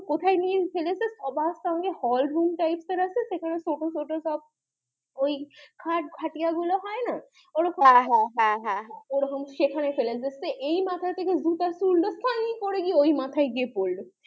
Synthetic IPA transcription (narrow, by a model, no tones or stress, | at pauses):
kot̪ʰajniefelesesɔbast̪amkehɔlɖɾumʈajpst̪eɾaseʃekʰanesoʈosoʈosɔb̚ | ojkʰaɾʈ̚ɡʱaʈijaɡuloɦɔena | oɾokʰaɦaɦãɦaɦãoɾɦɔmʃekʰanafeled͡ʑeseʔejmat̪ʰajt̪ʰekezut̪asulɖost̪ʰanijkoɾeɡieojmat̪ʰajɡiepolɖ